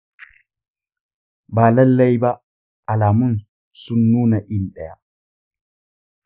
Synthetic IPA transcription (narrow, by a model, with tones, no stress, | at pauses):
baː˨la˦lːɛ˦jbaː˨ | laː˨mu˦n | sunːuː˦na˨ʔinɗɛ˨ja̰